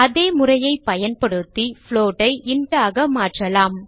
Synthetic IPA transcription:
ɐðeːmʊrɐjɐɪpːɐjɐnpɐɽɯt̪ːifɭoːʈɐɪʔɪɳɖaːɣɐmaːʈrɐlaːm

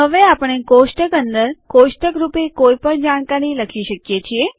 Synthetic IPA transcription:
ɦəʋeapəɽ̃ekoʃʈəkənd̪əɾkoʃʈəkɾupekoipəɳd͡ʒaɳ̃kaɾiləkʰiʃəkjet͡ʃʰie

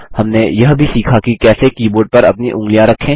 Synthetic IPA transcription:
hɐmnejɐɦbʱisiːkʰakikɛːsekiːboːɾɖ̚pɐɾɐ̰pniʔʊ̃ŋɡlijãɾɐkʰːẽː

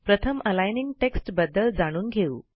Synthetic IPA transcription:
pɾət̪ʰəmʔəlajniŋɡʈeksʈbəd̪ːəld͡zaɽ̃uːnɡʱeṵː

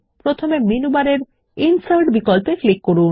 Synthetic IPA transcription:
pɾot̪ʰomeminubaɾeɾ | insalʈbikɔlpeklikːoɾun

